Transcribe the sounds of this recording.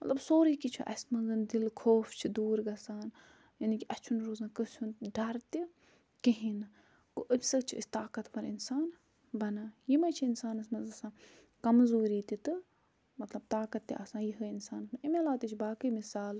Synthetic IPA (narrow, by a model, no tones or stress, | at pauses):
mɐt̪lɐbsoːɾiːkit͡ʃʰuʔɐ̰sʲmɐɡɨnd̪ilkʰoːfʰt͡ʃʰid̪uːɾɡɐsaːn | jɐnikʲiʔɐst͡ʃʰunɾoːzãːkɨt͡ʃʰunɖɐɾt̪i | kiɦin | koʔɨbʲsɨt͡ʃʰuʔḭsʲt̪aːkɐt̪pɐɾḭnsaːn | bɐnajimɐt͡ʃʰiinsaːnɐsmɐzɐsãː | kɐmzuːɾiːt̪it̪ɨ | mɐt̪lɐb̚t̪aːkɐt̪ːḭʔɐsãːjiɦɨinsaːnɐsmɐimelaːt̪it͡ʃʰibaːkɨmisaːl